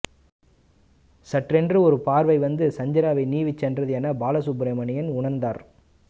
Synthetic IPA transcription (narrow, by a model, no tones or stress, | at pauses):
sɐʈrɛndrɯɔɾɯpaːɾʋɐɪʋɐnd̪ɯsɐɲd͡ʒɐɾaːʋɐɪniːʋit͡ʃːɛndrɐðɪjɐːnɐbaːlɐsʊbɾɐɪmɐɳɪjɐnʊɳɐɾnd̪aːɾ